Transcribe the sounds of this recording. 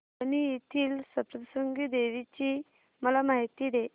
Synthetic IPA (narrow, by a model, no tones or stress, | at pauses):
niit̪ʰiːlsəpɾəsəŋɡid̪eʋit͡ɕiː | məlamaɦit̪id̪e